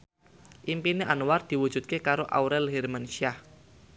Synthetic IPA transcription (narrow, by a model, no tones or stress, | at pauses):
ʔimpineʔanuward̪̥i̤wud̥ʒ̥ṳt̪̚kekaɾoʔa̰wɾɛlɦɛrmanʃia